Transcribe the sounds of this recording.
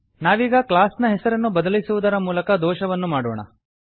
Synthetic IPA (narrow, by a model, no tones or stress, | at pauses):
naːʋiːɡɐklaːsnɐɦɛsɐɾɐnːubɐd̪ɐlisuʋud̪ɐɾɐmuːlɐkɐd̪ɔːʃɐʋɐnːumaːɽɔːɳɐ̰